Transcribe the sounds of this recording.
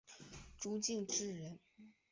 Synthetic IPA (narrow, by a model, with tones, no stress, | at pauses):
ʈ͡ʂu˥t͡ɕi˥˩ŋʈ͡ʂɻ̩˥˩ɻə˧˥n